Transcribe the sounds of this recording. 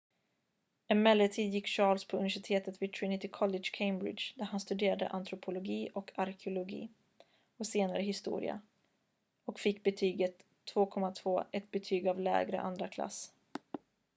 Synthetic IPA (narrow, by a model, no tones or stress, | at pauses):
ɛnmɛlːət̪ʰiːd̪jɪkːɕɑːlspʰɔɵnɪvæʂɪt̪ʰeːt̪ət̪vɪt̪ʰɾɪnɪt̪ɪkʰɔlɛdʂkʰeɪmbɾɪ̰d̪ʃd̪æɾhanst̪ɵd̪eːɾad̪ə̰ʔant̪ʰɾʊpʰʊlʊɡiːʔɔkʰaɾkʰɪʊlʊɡḭː | ɔseːnaɾəɦɪst̪ṵːɾɪ̰a̰ | ɔkfɪkːbɛt̪ʰyːɡət̪ʰːv̥oːkʰɔmːat̪ʰv̥oːʔɛt̪̚bɛt̪ʰyːɡavlɛ̰ːɡɾə̰ʔa̰nd̪ɾakʰla̰s